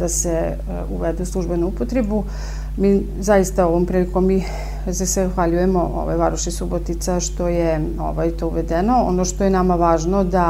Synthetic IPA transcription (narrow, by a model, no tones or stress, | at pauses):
d̪ase | uʋed̪euslˠuʒbe̞nuupot̪ɾebu | miː | zajist̪ao̞ʋo̞mpɾiːlikomːiː | zaseaxʋaʎujemo̞ʔo̰ʋa̰jʋaɾuʃisubot̪it̪saʃt̪o̞je | o̰ʋajt̪ouʋed̪eno̞o̰noʃt̪ojenamaʋaːʒnod̪a